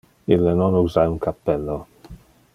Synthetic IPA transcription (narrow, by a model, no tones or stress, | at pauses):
ilːenonuzajuŋkʰapːɛlːo